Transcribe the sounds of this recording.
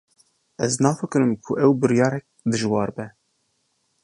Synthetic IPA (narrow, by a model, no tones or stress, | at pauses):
ɛznɑːfɨkɨɾɨmkʰʊʔɛwbɨɾjɑːɾɛk̚d̪ɨʒwɑːɾbɛ